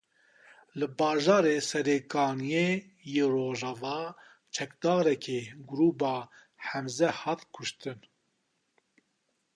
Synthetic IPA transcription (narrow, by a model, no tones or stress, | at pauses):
lɨbɑːʒɑːɾeːsɛɾeːkɑːnije | jeːroːʒɑːvɑː | t͡ʃʰɛkd̪ɑːɾɛkʰeːɡʊɾuːbɑː | ħɛmzɛhɑːt̪kʰʊʃt̪ɨn